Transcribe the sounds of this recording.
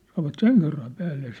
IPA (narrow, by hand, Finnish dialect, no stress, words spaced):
sɑnoʋɑt seŋ kerːɑm pæːlːe s